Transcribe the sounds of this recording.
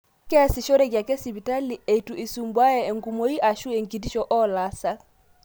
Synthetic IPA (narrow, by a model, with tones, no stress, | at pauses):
kɛ˦a˦sɪ˨ʃo˦ɾɛ˦˨ɡja˨kɛ˦si˨bi˨ta˦li˨e˨i˨tu˨ʔi˨su˨mbwa˦ɛ˨ɛ˨ŋɡu˨mo˦i˦ʔa˨ʃu˦e˨ŋki˨di˦ʃɔ˨ʔɔ˦la˨˦sa˦k̚